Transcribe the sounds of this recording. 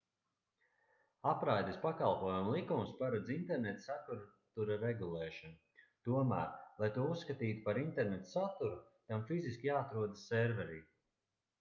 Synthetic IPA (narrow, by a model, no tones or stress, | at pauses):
apɾajd̪espakalˠpuɔjumlˠikumspaɾad̪zint̪ɛɾnɛt̪sat̪uɾt̪uɾaɾɛɡulˠɛːʃɔnu | t̪uɔmæ̰ːɾlˠajt̪uɔuskat̪iːt̪u̥paɾint̪ɛɾnɛt̪sat̪uɾut̪amfiziskʲijaːat̪ɾuɔd̪assɛɾvɛɾiː